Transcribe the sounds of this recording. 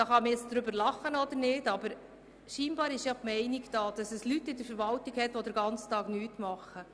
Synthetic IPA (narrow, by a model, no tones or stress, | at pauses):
d̥ɑːχɑməɛt͡sd̥̪ɾʏbəɾlɑχːənɔd̪əɾnɪːdɑbəɾ | ʃiːnbɑːɾɪʃjɑpmɛɪniɡd̥ɑːd̥ɑsɛslytːɪdəɾfəɾʋɑltiɡhɛt̪ʋɔd̪əɾɡɑnt͡st̪ɑːɡnyːtmɑχːə